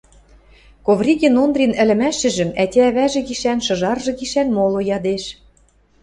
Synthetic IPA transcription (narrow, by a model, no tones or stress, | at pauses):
kovrʲiɡʲenond̪rʲinɘ̆lɘ̆mæʃɘ̆ʒɘ̆mætʲææβæʒĕɣiʃænʃɤ̆ʒɑrʒɤ̆ɣiʃænmolojɑd̪eʃ